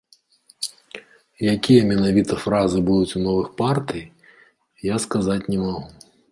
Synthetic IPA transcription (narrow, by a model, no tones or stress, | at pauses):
jakʲijɐmʲɛnavʲit̪ɐfɾazɨbud̪ut͡sʲunɔvɨxpart̪ɨj | jaskazat͡sʲnʲɛmaɣu